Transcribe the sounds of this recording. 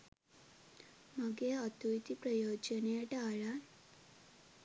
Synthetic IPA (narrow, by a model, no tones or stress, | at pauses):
məɡeat̪ujt̪ipɾəjod͡ʒəneeʈaɭa